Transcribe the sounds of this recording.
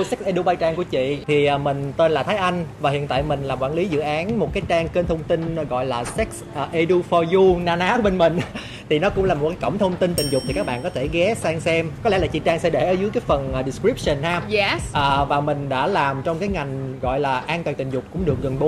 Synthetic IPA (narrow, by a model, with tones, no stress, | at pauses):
sɛ˦˥k̚sʔe˧ɗu˧ɓaː˧jt͡ɕaː˧ŋku˧˩ət͡ɕḭ˧˨t̪ʰi˨˩ʔmï˨˩ŋ̟t̪e˧nlaː˨˩t̪ʰa˨˦jʔa˧jŋ̟vaː˨˩hḭ˧˨ət̪a̰ː˧˨jmï˨˩ŋ̟laː˨˩kwaː˧˩nli˨˦zɨ̰˧˨ʔaː˨˦nmo˨˩t̚kaː˨˦jt͡ɕaː˧ŋke˧nt̪ʰə˧wŋ͡mt̪i˧n˨˦ɣɔ̰˧˨jlaː˨˩sɛ˦˥k̚sʔəː˨˩ʔe˧ɗu˧fɔ˧ju˧naː˧naː˨˦˥ɓe˧nmï˨˩ŋ̟ | t̪ʰi˨˩nɔ˨˦kʊ̰˧˥ŋ͡mlaː˨˩mo˨˩kaː˨˦kə̰˧˩ŋ͡mt̪ʰə˧wŋ͡mt̪ï˧nt̪ï˨˩ŋzʊ˨˩k͡p̚t̪i˨ka˦˥ɓa̰ː˧˨nkɔ˨˦e˧˩ɣɛ˨˦saː˧ŋsɛ˧mkɔ˨˦lɛ˧˥laː˨˩t͡ɕḭ˧˨t͡ɕaː˧ŋsɛ˧ɗe˧˩ʔəː˨˦zɨ˨˦jkaː˨˦jfə˨˩nʔːɗi˨˩skɹi˦˥p̚sə˨˩nhaː˧ʔəː˨˩vaː˨˩mï˨˩ŋ̟ɗa̰ː˧˥laː˨˩mt͡ɕɔ˧ŋ͡mkaː˨˦jŋa˨˩jŋ̟ɣɔ̰˧˨jlaː˨˩ʔaː˧nt̪aː˨˩t̪ï̟˨˩zʊ˨˩k͡p̚kʊ̰˧˥ŋ͡mɗɨ˨˩ək̚ɣə˨˩nɓo˨˦